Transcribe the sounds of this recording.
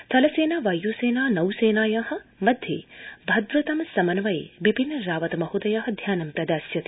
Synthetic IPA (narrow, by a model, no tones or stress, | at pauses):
t̪ʰɐlɐseːnaːʋɐjːuːseːnaːnɐwseːnaːjaːhɐ̆mɐd̪ʱjḛːbʱɐd̪ɾɐt̪ɐmɐsɐmɐnɐʋɐjḛːʋibʱinːɐɾaːʋɐt̪ɐmɐɦud̪ɐjaːɦɐ̆d̪ʱjaːnɐmpɾɐd̪aːsjɐt̪